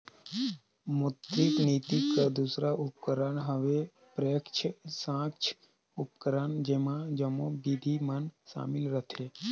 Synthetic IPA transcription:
mʊt̪ɾikniːt̪ikad̪uːsɾaʔʊp̚kəɾənɦəʋe | pɾəjəkt͡ʃʰəsãːkt͡ʃʰ | ʊpkəɾənd͡ʒemãd͡ʒəmõbid̪ʱimənsa̰ːmɪlɾət̪ʰeː

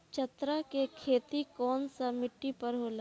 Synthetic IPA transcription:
t͡ʃət̪ɾakekʰeːt̪ikɔːnsamɪʈːipɐɾɦoːla

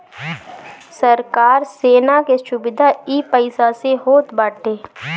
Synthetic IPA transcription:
səɾkaːɾseːnakeʃʊbɪd̪ʱaiːpəɪsaseɦoːt̪baːʈeː

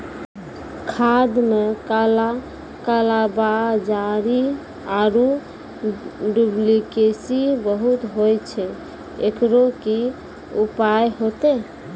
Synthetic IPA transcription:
kʰad̪mekala | kalabad͡ʒaɾi | aɾu | ɖublikesibəɦut̪ɦojt͡ʃʰɛ | ekɾoki | upajɦot̪e

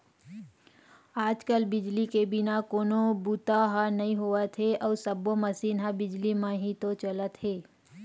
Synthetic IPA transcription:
aːd͡ʒkəlbɪd͡ʒlikebɪnakoːnobut̪aɦanɐɦĩɦoət̪ɦeʔɔːɾsəbomɐsiːnɦabɪd͡ʒlimãɦit̪ot͡ʃələt̪ɦeː

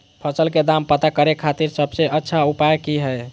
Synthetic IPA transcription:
pʰəsəlked̪ampət̪akəɾekʰat̪iɾsəbseətːʃʰaupajkiɦɛj

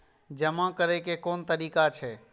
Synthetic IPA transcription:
d͡ʒəmãkəɾekekoːnt̪əɾiːkat͡ʃʰɛː

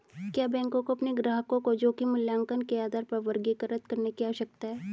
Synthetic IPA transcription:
kjaːbɛ̃ːŋkõkoɐpneɡɾaːɦkõkod͡ʒoːkimʊljãːŋkənkeaːd̪aːɾpɐɾʋɐɾɡekɐɾɐt̪̚kɐɾnekiaːʃək̚t̪aɦɛː

